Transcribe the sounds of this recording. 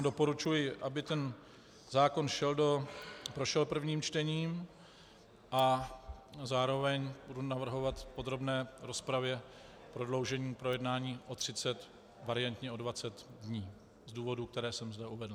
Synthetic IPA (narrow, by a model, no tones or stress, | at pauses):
do̞po̞ɾut͡ʃujɪʔabɪt̪ɛn | zaːko̞nʃɛldo̞pɾo̞ʃɛlpr̩vɲiːmt͡ʃt̪ɛɲiːm | ʔa | zaːɾo̞vɛɲbudunavr̩ɦo̞vat̪po̞d̪ɾo̞bnɛːɾo̞spɾavjɛ | pɾo̞dlo̞wʒɛɲiːpɾo̞jɛdnaːɲiːʔo̞t̪r̝̥ɪt͡sɛt̪ | vaɾɪant̪ɲɛo̞dvat͡sɛt̪dɲiː | zduːvo̞duk̚t̪ɛɾɛːsɛmzdɛʔuvɛdl̩